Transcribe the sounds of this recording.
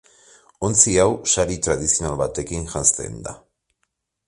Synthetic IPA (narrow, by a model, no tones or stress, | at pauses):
ont͡siawsaɾit̪ɾað̞isio̞nalβat̪e̞kinʝanst̪e̞̰nd̪a̰